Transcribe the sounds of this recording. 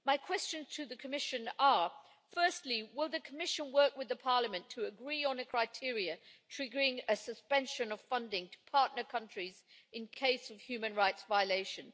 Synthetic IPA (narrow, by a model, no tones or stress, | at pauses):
maɪkʰw̥ɛst͡ʃɨ̃nz̥tʰɨðɨkʰəmɪʃɨ̃nə˞ | fɜ˞stˡliwɪlˠðɨkʰəmɪʃɨ̃nwɜ˞kwɨðɨpʰɑɹləmɨ̃ntʰəːɡɹiə̃nɨkʰɹ̥aɪtʰɪɹiɨtʰɹ̥ɪɡəɹɪ̃ŋɨsɨspɛ̃nʃɨ̃nʌv̥fʌ̃ndɪ̃ŋtʰə̥pʰɑɹʔⁿnə˞kʰʌ̃nt͡ʃɹ̥izɨ̃nkʰeɪsʌv̥hjʉmɨ̃nɹaɪtsvaɪəleɪʃɨ̃n